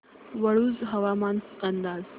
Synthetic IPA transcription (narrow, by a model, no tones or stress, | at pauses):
ʋəɭuːd͡zɦəʋamanskənd̪aːz